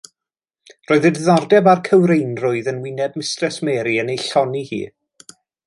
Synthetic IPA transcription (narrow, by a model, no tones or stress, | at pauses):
roːɨðədɪðardɛbarkʰəwɾejnrʊɨðənwɪnɛb̚mɪstrɛsmɛːɾiənejɬɔnihḭː